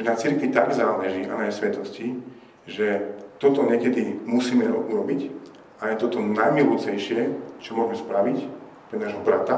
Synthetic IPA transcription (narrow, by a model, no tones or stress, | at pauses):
ɛnat͡siɾkʋit̪aɡzaːlɛʒianajɛsʋɛt̪ɔsci | ʒɛt̪ɔt̪ɔɲɛkɛd̪imusiːmɛɾɔuɾɔbic | ajɛt̪ɔt̪ɔnajmilɔt͡sɛjʃɪɛt͡ʃɔmɔʒmɛspɾaʋic | pɾɛnaʒɦɔbɾat̪a